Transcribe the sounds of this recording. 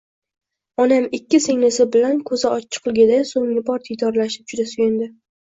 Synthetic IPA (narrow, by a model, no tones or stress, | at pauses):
ɒnamɪkʲːɪse̞ŋnɪsɪbɪlankʰɵzɪɒt͡ʃʰːɪ̥qʰɨlˠɡʲad̪asoŋɪbɒɾt̪ʰijt̪ʰɒɾlaʃɪp̚t͡ʃʰʊd̪asʊɡʲɪnd̪ɪ